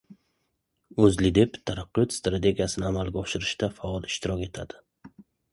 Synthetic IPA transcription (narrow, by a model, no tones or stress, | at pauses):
ɵzlɪd̪e̞pt̪ʰaɾaqːɪjɔt̪st̪ɾat̪ʰe̞ɡʲijasɪnɪamalɡʲaɒʃɪɾɪʃt̪afaɒlˠɪʃt̪ʰɪɾɒkʲe̞t̪ʰad̪̥ɪ